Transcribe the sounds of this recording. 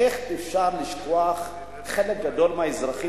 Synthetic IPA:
eχefʃaɾliʃtoaχ | χelek̚ɡad̪o̞lmaaizʁaχi

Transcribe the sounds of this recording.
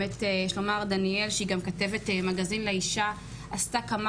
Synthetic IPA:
etejeʃlo̞maʁdanie̞lʃeiɡamkate̞vetemaɡazinleiʃa | astakama

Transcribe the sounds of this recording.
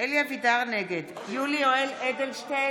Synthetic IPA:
eljavid̪aʁneɡed̪ | julioeled̪elʃte

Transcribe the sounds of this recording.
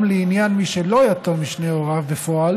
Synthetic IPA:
mleinjanmiʃelo̞jatomiʃneoʁavbefo̞al

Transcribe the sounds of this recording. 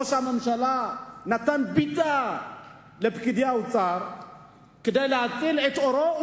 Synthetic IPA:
oʃamɐmʃɐlanat̪anbit̪ʼːa | lɐbkɨd̪jawʊt͡sʼaɾ | kɨd̪ajlaat͡sʼɨlet̪ɔɾo

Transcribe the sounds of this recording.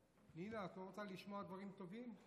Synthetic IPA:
ninatoʁot͡saliʃmoad̪vaʁimt̪o̞vim

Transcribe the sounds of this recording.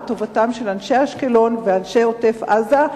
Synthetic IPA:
to̞vatamʃe̞lanʃe̞haʃkelo̞nveanʃe̞ote̞fʔaza

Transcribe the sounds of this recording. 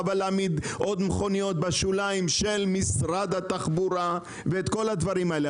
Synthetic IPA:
valaamid̪ʔo̞d̪meχo̞nijo̞t̪̚baʃulaimʃe̞lmisʁad̪hat̪aχbuɾa | veet̪ko̞lad̪vaʁimaele

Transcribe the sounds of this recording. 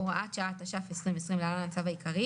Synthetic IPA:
oʁʔat̪ʃaat̪aʃafesʁimvesʁimlealamat͡savaikʰaʁi

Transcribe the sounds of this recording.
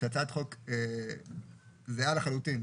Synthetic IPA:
at͡sat̪χoke | zealaχalut̪in

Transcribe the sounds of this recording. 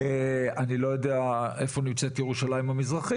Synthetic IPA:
anilo̞jo̞d̪eaefo̞nimt͡set̪jeʁuʃalajimamizʁaχi

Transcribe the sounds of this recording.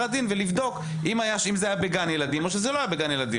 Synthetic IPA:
ad̪invelivd̪o̞k | imajaʃimzeajabeɡanjelad̪imo̞ʃezelo̞ajabeɡanjelad̪i

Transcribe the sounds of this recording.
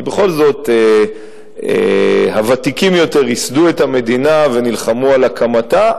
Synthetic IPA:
be̞χo̞lzo̞t̪e | ḛhavat̪ikimjo̞te̞ʁisd̪ue̞thame̞d̪inave̞nilχamualakʰamat̪a

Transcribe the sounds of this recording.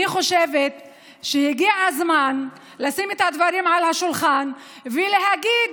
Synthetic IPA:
iχo̞ʃevet̪ | ʃehiɡiaazman | lasimet̪had̪vaɾimʕalhaʃulχan | vele̞ɦaɡid̪

